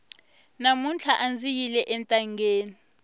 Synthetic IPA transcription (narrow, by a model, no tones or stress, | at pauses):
namunt͡ɬʰaʔand͡zijilɛʔɛntʼaŋɡeːni